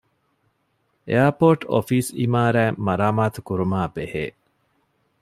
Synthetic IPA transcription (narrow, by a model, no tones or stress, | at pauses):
ḛɐpoːʈo̰fiːsimaːɾæːmɐɾaːmaːt̪ukuɾumaːbehḛː